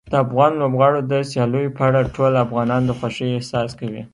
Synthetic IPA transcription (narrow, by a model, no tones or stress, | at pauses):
d̪̥əafɣɑnlobɣɑɽod̪əsjɑlujopəaɽaʈʰolafɣɑnɑnd̪əxwaʃəjehsɑskawḭ